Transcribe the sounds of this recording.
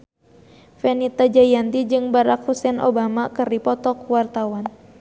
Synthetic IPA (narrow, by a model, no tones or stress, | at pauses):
fɛnit̪ad͡ʒajant̪id͡ʒɨŋbaɾak̚husɛnʔo̰bamakɨrdipɔt̪ɔkwart̪awan